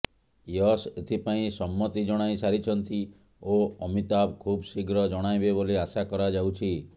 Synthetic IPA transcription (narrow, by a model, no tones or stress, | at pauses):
jɔset̪ʰipaĩsɔmːɔt̪id͡ʒɔɽ̃aisaɾit͡ʃʰɔnt̪i | oɔmit̪abkʰubsiɡɾɔd͡ʒɔɽ̃ajbeboliasakɔɾad͡ʒawt͡ʃʰi